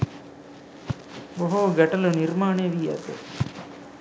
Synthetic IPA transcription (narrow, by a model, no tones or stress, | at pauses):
bɔɦuɡɐʈɐluniɾmaːɳeːʋiːɐ̰t̪ḛ